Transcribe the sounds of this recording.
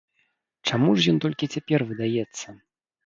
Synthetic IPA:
t͡ʂamuʂjɔnt̪ɔlʲkʲit͡sʲapʲɛrvɨd̪ajɛt̪sːɐ

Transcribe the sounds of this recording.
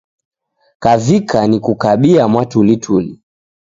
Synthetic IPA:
kavikʰanikukaɓiamwatulitʰuli

